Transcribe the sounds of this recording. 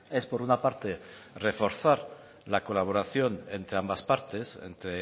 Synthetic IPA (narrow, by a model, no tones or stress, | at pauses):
e̞spo̞ɾunapaɾt̪e̞re̞fo̞ɾθaɾ | lako̞laβ̞o̞ɾaθjo̞ne̞nt̪ɾe̞ambaspaɾt̪e̞sḛnt̪ɾe